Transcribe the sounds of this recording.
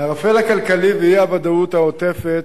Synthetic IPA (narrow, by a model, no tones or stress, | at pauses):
aʁafelakalkalivijabad̪aut̪haot̪efet̪